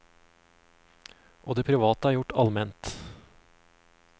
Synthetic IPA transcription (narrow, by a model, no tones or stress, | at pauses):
ʔoːd̪eːpʰɾʉʋɑːt̪əæːɾjʊʈɑlmɛnt̪